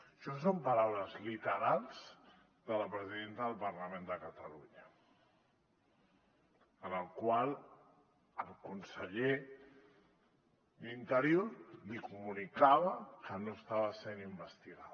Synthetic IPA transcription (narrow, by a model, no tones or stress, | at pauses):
ʃɔsompəɾawləzlit̪əɾalˠz̥ | ðələpɾəziðent̪əðəlˠpərləmẽnd̪əkət̪əluɲə | ənəlˠkwalˠ | əlˠkunsəʎe | d̪int̪əɾjoɾlikumunikaβəkənoəst̪aβəsenimbəst̪iɣa